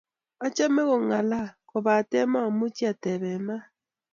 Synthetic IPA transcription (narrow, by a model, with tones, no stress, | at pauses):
a˦t͡ʃɛ˦mɛ˦ɣɔ˨ŋa˨la˦kɔ˨βa˨tɛ˦ma˦˨mu˦t͡ʃi˦a˨tɛ˨βɛ˨ma˦